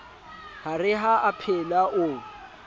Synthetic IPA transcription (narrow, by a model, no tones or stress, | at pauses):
harɪɦaʔapʰɛlaʔʊ